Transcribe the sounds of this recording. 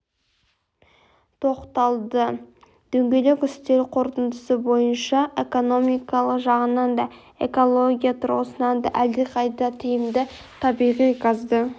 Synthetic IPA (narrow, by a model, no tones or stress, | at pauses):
t̪ʰo̞qt̪ɑlˠd̪ə | d̪̥ɵŋɡʲe̞le̞kʲʏst̪e̞ɾqʰo̞ɾt̪ənd̪əsəbo̞jənʃɑʔe̞ko̞no̞mijkɑlˠəqʒɑʁənɑnd̪ɑ | e̞̰ko̞lˠo̞ɡʲijat̪ʰʊɾosənɑnd̪ɑ̰ʔæld̪eqʰɑjd̪ɑt̪ʰijəmd̪ɪ | t̪ʰɑbijʁijqʰɑzd̪ə